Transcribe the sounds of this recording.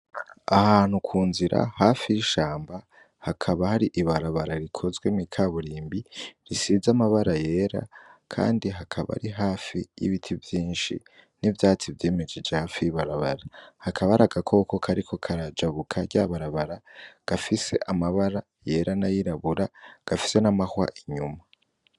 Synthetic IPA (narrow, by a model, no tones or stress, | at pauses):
ahaːn̥hukʰuːnziɾʔa̰haːfijiʃaːmba | hakʰaβahaɾiʔiβaɾaβaɾaɾikʰo̞zɡwemikʰaβuɾiːmbiɾisizamaβaɾaje̞ːɾa̰kʰa̰ːndiɦakʰaβa̰ɾiɦaːfijḭβitʰivjiːnʃḭ | nivjaːt͡sivjeːmed͡ʒed͡ʒe̞haːfijiβaɾaβaɾahakʰaβaɾaɡakʰo̞ko̞kʰaɾikʰo̞kʰaɾad͡ʒaβukʰaɟaβaɾaβaɾaɡ̥afise̞̰ʔamaβaɾa | je̞ɾanajiɾaβuɾaɡ̥afi̥se̞namahwa̰ʔiɲuma